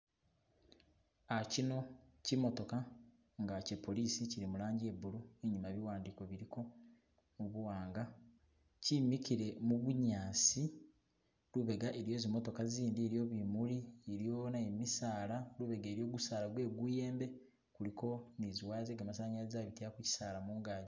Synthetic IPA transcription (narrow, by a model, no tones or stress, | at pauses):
acino̞cimo̞to̞ka | ŋɡace̞pːo̞liːsiciɾimulaːɲɟie̞βuɾueɲumaβiwaːndiko̞βiɾiko̞ | muβuwaːŋɡa | cimikiɾe̞muβuɲaːsi | luβe̞ɡaʔe̞ɾijo̞zimo̞to̞kaziːndiɾijo̞βimulieɾijo̞naemisaːlaluβe̞ɡeːɾijo̞ːɡusaːlaɡwe̞ːɡuje̞ːmbe̞ | kuliko̞niziwaːzeɡamasaːɲaɾizaβiteakuci̥saːlamuːŋɡaːɲi